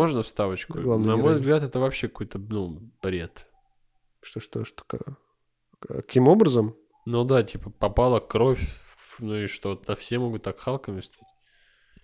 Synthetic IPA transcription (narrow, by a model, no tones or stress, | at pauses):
o̞ʐnəfst̪avət͡ɕkʊɡlˠavnnɐmmo̞jvzɡlʲat̪ɛt̪əvɐpɕːekɐko̞jt̪ənubɾʲe̞t̪ | ʂt̪oʂt̪oʂt̪o̥ka̰ | ɐkʲimo̞bɾəzəm | nod̪atʲipəpɐpalˠəkːɾo̞fʲnuiʂt̪oɐfsʲemoɡʊt̪ːakxalˠkəmʲɪfst̪atʲ